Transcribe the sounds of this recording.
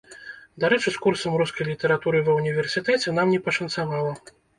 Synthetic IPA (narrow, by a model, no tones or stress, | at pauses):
d̪aɾɛt͡ʂɨskursɐmɾuskɐjlʲit̪ɛɾat̪uɾɨvɐwnʲivʲɛrsʲit̪ɛt͡sʲɛnamnʲɛpɐʂɐnt̪savalˠɐ